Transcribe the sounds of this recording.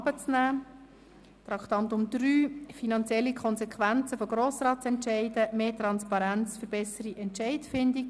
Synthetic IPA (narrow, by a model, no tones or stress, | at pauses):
bət͡snæː | t̪ɾɑkʰt̪ɑnt̪ʊmd̪̥ɾyːfinɑnt͡sjɛlːikʰɔnsɛkʰʋænt͡səfɔɡ̥ɾoːsɾɑːt̚t͡sɛntʃɛɪdəmeːt̪ɾɑnspɑɾænt͡sfəɾbɛsəɾiʔɛntʃɛɪdfɪndik